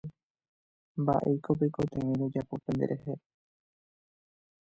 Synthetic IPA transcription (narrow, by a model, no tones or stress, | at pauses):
mba̰ʔe̞̰jkopekot̪ẽĩɾod͡ʒapo̞pe̞nd̪eɾʔehe